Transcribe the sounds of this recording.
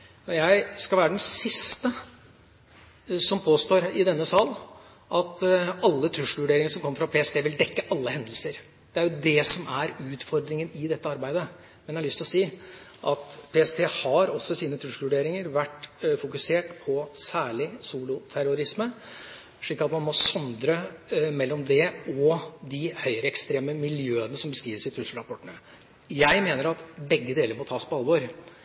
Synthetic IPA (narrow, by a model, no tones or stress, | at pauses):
ɔjæɪskɑlʋæːɾəɖ̪ɛnsɪst̪ə | sɔmpʰoːst̪oːɾɪd̪ɛnːəsɑːlː | ʔɑt̪ɑlːət̪ʰɾʉʂʋʉɖeːɾɪŋəʂɔmkʰɔmːəfɾɑpʰeːɛst̪ʰeːʋɪld̪ɛkːəʔɑlːəɦɛnd̪əlsəɾ | d̪̥ɛæɾjʊd̪ɛsɔmʔæɾʉːt̪fɔɾd̪ɾɪŋənɪd̪ɛt̪ːəɑɾbæɪd̪ə | mɛnjæhɑlʏst̪lɔsiːʔɑt̪pʰeɛst̪ʰeːhɑɾɔsːɔsiːnət̪ʰɾʉʂlʋʉɖeːɾɪŋəɾʋæʈːfʊkʉseːʈpʰɔsæːɭɪsuːlʊt̪ʰæɾʊɾɪsmə | ʂɭiːkːɑt̪mɑnmɔsɔnd̪ɾəmɛlːɔmd̪ɛɔd̪ɪhœʏɾəɛkst̪ɾeːməmɪljøːənəsɔmbəskɾiːʋəʂɪt̪ʰɾʉslɾɑpʰɔʈːəɳə | jæɪmeːnəɾɑt̪bɛɡːəd̪eːləɾmɔt̪ʰɑːspʰɔɑlʋɔɾ